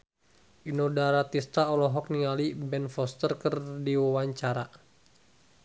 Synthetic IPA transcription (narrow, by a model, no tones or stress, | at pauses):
ʔinɔdaɾat̪ist̪aɔlɔɦɔk̚niŋalibɛnfɔst̪ərkərdiwawaɲt͡ʃaɾa